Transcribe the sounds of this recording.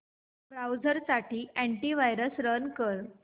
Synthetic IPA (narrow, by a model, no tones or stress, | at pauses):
bɾawd͡zəɾsaʈiːʔæɳʈiːʋajɾəsɾənkəɾ